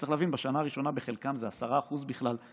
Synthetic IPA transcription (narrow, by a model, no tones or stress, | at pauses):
t͡seχlɛavinbaʃanaːʁiʃo̞nabeχe̞lkamzeasaʁaːχuzbiχlal